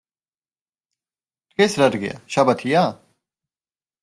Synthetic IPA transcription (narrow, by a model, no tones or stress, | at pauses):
kesɾɐɾɡɪ̰ja̰ːɕɐbɐt̪ʰijaː